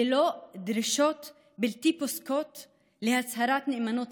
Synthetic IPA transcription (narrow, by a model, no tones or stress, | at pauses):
ɪloːʔd̪ɾɪʃoːt̪ | bɪlt̪iːposkoːt̪ | lɪhashaɾˤaːt̪nɪʔmanoːt̪